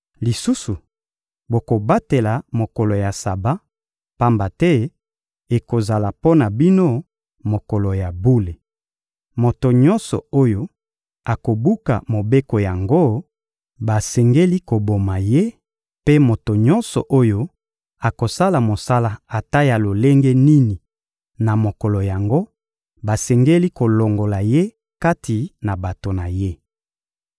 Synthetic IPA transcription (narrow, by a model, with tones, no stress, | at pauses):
li˨su˦su˨ | bo˨ko˨ba˦te˨la˨mo˨kɔ˨lo˨ja˨sa˨ba˦ | pa˦mba˨tɛ˦ | e˨ko˨za˨la˨po˦na˨bi˦no˦ | mo˨ko˨lo˨ja˨bu˦le˨ | mo˨to˨ɲɔ˦nsɔ̰˨o˦jo˦ | a˨ko˨bu˦ka̰˨mo˨be˦ko˨ja˨ŋɡo˦ | ba˨sɛ˨ŋɡe˦li˦ko˨bo˨ma˨je˦ | pe˦mo˨to˨ɲɔ˦nsɔ̰˨ʔo˦jo˦ | a˨ko˨sa˦la˨mo˨sa˦la˦a˨ta˦ja˨lo˨le˦ŋɡe˦ni˦ni˨ | na˨mo˨kɔ˨lo˨ja˨ŋɡo˦ | ba˨sɛ˨ŋɡe˦li˦ko˨lo˨ŋɡo˨la˨je˦ | ka˦tʰi˨na˨ba˨to˨na˨je˦